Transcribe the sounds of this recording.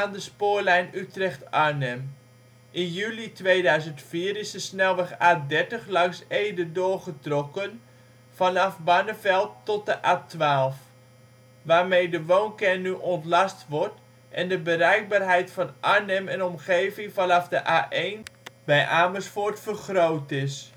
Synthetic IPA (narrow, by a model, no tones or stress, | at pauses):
aːndəspʊːɹlɛjnytrɛχtaɹnɛm | ʔɪnjylitʋejdœɥzəntfiːɾɪsdəsnɛlˠʋɛχaːdɛɹtəχlɑŋsejdədʊːɹχətrɔkən | fɑnɑfbɑnəvɛlˠtːɔt̚dəʔaːtʋaːlˠf | ʋaːɹmejdəʋownkɛnyʔɔntlɑstʋɔɹt | ʔɛ̰ndəbəɾɛjk̚baːrɦɛjtfɑnʔaɹnɛmɛnɔmχejvɪŋfɑnɑfdəʔaːʔejnbɛjʔaːməsfʊɹtfərχrowtɪs